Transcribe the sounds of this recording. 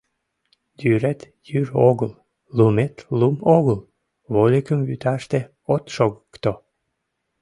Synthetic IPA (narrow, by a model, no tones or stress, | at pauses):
d̪yɾæt̪ | jyroɣəl | lumet̪lumoɣəl | βolʲikəmβyt̪ɑʃt̪e | ot̪ʃoɣəkt̪o